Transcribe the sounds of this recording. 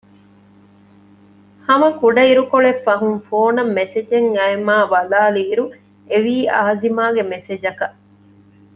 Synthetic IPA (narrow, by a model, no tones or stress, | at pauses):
hɐmɐkuɖɐiɾukoɭefːɐɦunfoːnɐmːesed͡ʒeŋɐemaːbɐlaːluːɾu | eʋiːɐːɐzimaːɡemesed͡ʒɐkɐ